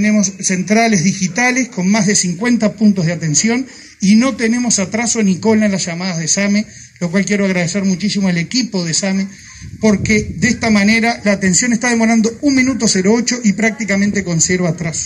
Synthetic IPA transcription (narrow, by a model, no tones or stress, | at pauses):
nemo̞sːe̞nt̪ɾale̞zðixit̪alesko̞nmaɦðesiŋkwe̞nt̪apunt̪oɦðeat̪e̞nsjo̞n | ino̞t̪ene̞mo̞sat̪ɾaso̞niko̞lalasʒamaðaðesame | lokwalkjeɾoaɣɾað̞eseɾmut͡ʃisimoelekipo̞ðesame | po̞ɾked̪est̪amane̞ɾalaːt̪e̞nsjo̞nest̪aðemo̞ɾand̪ounmĩnut̪̬oseɾoot͡ʃo̞ʔipɾak̚t̪ikamẽnt̪e̞ko̞nseɾβaːt̪ɾaso̥